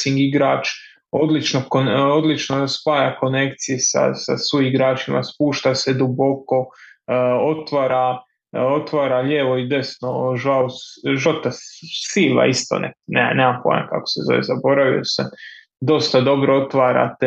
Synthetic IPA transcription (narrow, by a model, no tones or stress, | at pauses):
siŋɡiɡɾaːt͡ʃ | o̞d̪lit͡ʃnokood̪lit͡ʃnospaːjako̞ne̞kt̪sijesa̰sa̰suiɡɾaːt͡ʃima̰spuːʃt̪ased̪ubo̞ko̞ | o̞t̪ʋaɾa | ot̪ʋaːɾaʎeʋo̞id̪e̞snoʒawʒot̪asila̰ist̪o̰nḛneːneːmampo̰ḛmka̰ko̥sezo̞̰ʋḛzabo̞ɾaʋḭosa | d̪o̞st̪ad̪o̞bɾoot̪ʋaːɾa̰t̪e